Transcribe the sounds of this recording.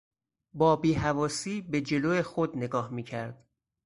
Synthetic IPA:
bɒːbiːhævɒːsiːbe̞d͡ʒe̞loːjexod̪ne̞ɡɒːhmiːcʰæɾd̪̥

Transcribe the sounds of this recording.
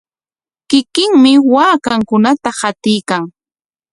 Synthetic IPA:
kɪkɪŋmɪwaːkaŋkʊnat̪ahat̪ɪjkaŋ

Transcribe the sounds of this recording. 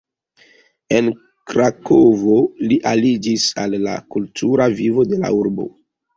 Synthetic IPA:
e̞n | kɾakovo̞liʔalid͡ʒisalːa̰kultʰuɾavivo̞de̞la̰uɾbo̞̰

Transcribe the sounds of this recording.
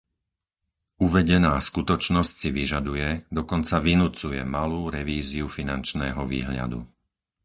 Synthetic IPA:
uʋɛɟɛnaːskut̪ɔt͡ʃnɔscsiʋiʒad̪ujɛd̪ɔkɔnt͡saʋinut͡sujɛ̰maluːɾɛʋiːziufinant͡ʃnɛ̰ːɦɔʋḭːɦʎa̰d̪ṵ

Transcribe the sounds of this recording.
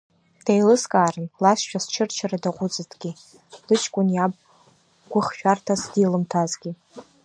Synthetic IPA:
d̥ejlɨskʼaːrɨnlasʃᶣast͡ʃʰɨrt͡ʃʰaɾadaqʷʼʊt͡sʼɨtʰʼɡʲi | lɨt͡ʃʰkʷʼʊnjabʼ | ɡʷʊχʃᶣartʰasdilɨmtʰazɡʲi

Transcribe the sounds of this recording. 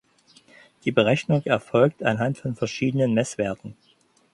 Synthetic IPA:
d̥iːbəʁɛçnʊŋʔɛɐfɔlk̚tanɦantfɔnfɛɐʃiːdənənmɛsv̥eːɐtn̩

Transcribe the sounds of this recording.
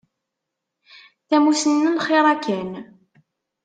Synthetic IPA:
θæmusənːənχɪɾˤækæn

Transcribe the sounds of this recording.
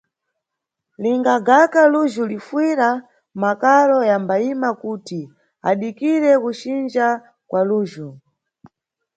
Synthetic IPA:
liŋɡaɡakaluʒulifwiɾa | makalɔjambaimakuti | a̰ɗikiɾɛkut͡ʃind͡ʒa | kwaluːʒu

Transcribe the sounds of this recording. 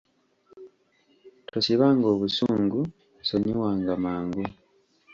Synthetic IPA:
tʰosiβaːŋɡo̞ːβusuːŋɡu | soɲiwaːŋɡamaːŋɡu

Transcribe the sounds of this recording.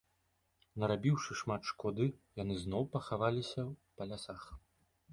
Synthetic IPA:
nɐɾabʲiwʂɨʂmat̪ʂkɔd̪ɨjanɨznɔwpɐxavalʲisʲɐwpɐlʲasax

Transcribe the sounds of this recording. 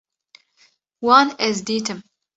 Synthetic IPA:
wɑːnɛzd̪iːt̪ʰɨm

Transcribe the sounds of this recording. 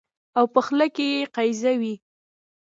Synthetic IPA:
awpəxlakejeqajzawi

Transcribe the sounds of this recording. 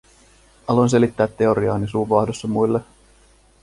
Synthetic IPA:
ɑlons̬e̞lit̪ːæːt̪ːe̞o̞ɾiɑːnisuːʋɑːhdosːɑmujlːe

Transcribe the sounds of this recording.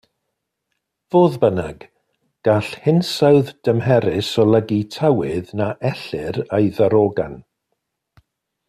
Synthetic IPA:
v̥oːðbənaɡ̥ | ɡ̥aɬhɪnsawðd̥əmhɛɾɪsɔlˠəɡitʰawɪðnaʔɛɬɪɾejðəɾoɡa̰n

